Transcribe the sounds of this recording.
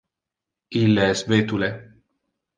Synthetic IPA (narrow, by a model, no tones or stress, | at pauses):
ilːesvet̪ule